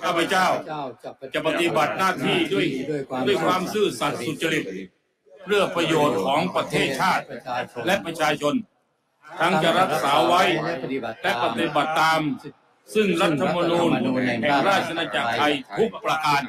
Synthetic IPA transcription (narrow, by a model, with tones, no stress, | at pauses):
kʰaː˥˩pʰa˧˥t͡ɕaː˥˩wt͡ɕa˨˩pa˧t̪i˨˩ba˨˩t̪̚naː˥˩t̪ʰiː˥˩du˥˩əjdu˥˩əjkʰwaː˧msɯː˥˩sa˨˩t̪̚su˨˩t̪̚t͡ɕːa˧ɾi˨˩t̪̚ | pʰɾɯ˥˩ɐpɾa˧joː˨˩t̪̚kʰɔː˩˦ŋpɾa˧t̪ʰeː˧˥˩t͡ɕʰaː˥˩t̪̚lɛ˦˥ʔpɾa˧t͡ɕʰaː˧t͡ɕʰo˧n | t̪ʰa˦˥ŋt͡ɕa˨˩ɾa˦˥p̚saː˩˦wa˦˥jlɛ˦˥pa˧t̪i˨˩ba˨˩t̪ːaː˧m | sɯ˥˩ŋɾa˦˥t̪ʰːa˧ma˧nuː˧nhɛ˨˩ŋɾaː˥˩t̪̚t͡ɕʰːa˧naː˧t͡ɕa˨˩k̚t̪ʰa˧jt̪ʰu˦˥k̚pɾa˧ʔ̪aː˧n